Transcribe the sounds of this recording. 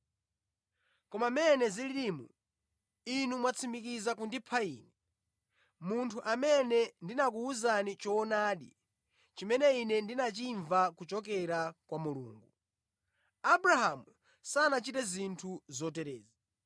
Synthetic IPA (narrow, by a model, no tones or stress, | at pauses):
kɔmamɛnɛziliɾimṵ | inumwat͡sʰimbikizakundipʰaḭːnɛ | muntʰuʔamɛnɛndinakuuzanit͡ʃɔːnaːɗḭ | t͡ʃimɛnɛinɛndinat͡ʃiɱvakut͡ʃɔk̬ɛɾakwamulṵːŋɡu | abɾaɦamu | sanat͡ʃitɛzintʰuzɔtɛɾɛːza